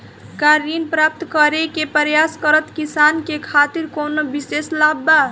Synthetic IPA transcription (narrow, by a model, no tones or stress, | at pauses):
kaɾinpɾap̚t̪kʌɾekepəɾjaskəɾət̪kisankekʰat̪iɾkonobiseslabːa